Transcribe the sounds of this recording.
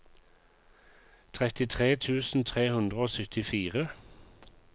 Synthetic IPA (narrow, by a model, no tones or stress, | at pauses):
t̪ʰʁɛt̪ɪt̪ʰʁeːt̪ʰʉːsn̩t̪ʰʁeːhʉnd̪ʁəoːsʏt̪ɪfiːʁə